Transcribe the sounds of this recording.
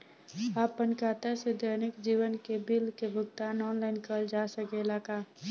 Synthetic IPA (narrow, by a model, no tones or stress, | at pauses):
aːpːənkaːt̪ased̪əɾnɪkd͡ʒiːwənkebɪlkebʱʊɡ̚t̪ãnɔːnlaɪnkəd͡ʒaːsəkelaːka